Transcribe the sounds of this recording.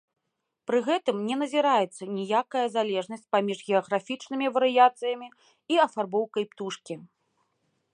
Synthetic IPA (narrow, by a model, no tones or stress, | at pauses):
pɾɨɣɛt̪ɨmnʲɛnɐzʲiɾajɛt̪sːɐnʲijakɐjɐzalʲɛʐnɐsʲt͡sʲpamʲiʐɣʲɛɐɣɾafʲit͡ʂnɨmʲivɐɾɨjat̪sɨjɐmʲi | iɐfarbɔwkɐjpt̪uʂkʲi